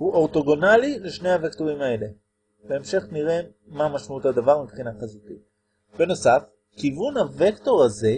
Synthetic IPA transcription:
huʔoʁto̞ɡonalileʃne̞jhavektoʁimae̞le̞ | be̞ːmʃe̞χniʁe̞ | mamaʃmautad̪avaʁmipχinakazot̪i | b̥e̞no̞saf | kivunave̞kto̞ʁaze̞

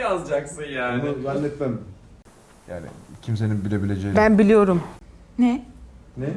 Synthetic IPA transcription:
jazd͡ʒaksɯnjaːmuzanːɛt̪mæm | ja̰ːnɪ̰cʰims̬e̞ninbilʲe̞bilʲe̞d͡ʒejbænbilʲijo̞ɾumnɛnɛ

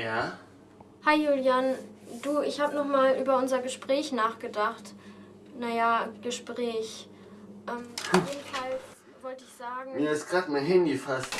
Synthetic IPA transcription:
jaː | haɪjuːljand̥uːɪçhaːbənɔχmaːlʔyːbɐʊnzɐɡəʃpʁ̥ɛːçnaːχɡ̥ədaχt | najaɡ̥əʃpʁ̥ɛːç | ʔɛːmjeːdn̩fals | vɔltəɪçz̥aːɡŋ̩miːɐɪstɡ̥ʁaːtmaɦɪnɡəfast

